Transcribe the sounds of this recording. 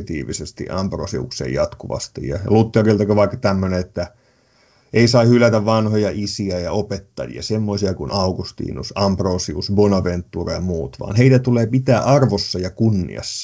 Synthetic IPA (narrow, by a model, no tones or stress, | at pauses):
t̪ḭːʋisest̪ḭʔɑmpro̰sḭṵksḛːjɑt̪kuʋɑ̰st̪ḭjjɑlut̪ːerilt̪ɑkøʋɑikːɑ̥t̪æmːøneet̪ːæ | ʔeisɑihylæt̪æʋʋɑnhojɑʔisiæjɑopet̪ːɑ̰jḭɑ̰semːoisiɑkunɑuɡust̪ḭːnṵsɑmproːsiusbonɑʋent̪ːuːrɑjɑmuːt̪ʋɑ̰ːnheit̪æt̪uleːpit̪æːʔɑrʋosːɑjɑkunːḭɑ̰sːɑ̥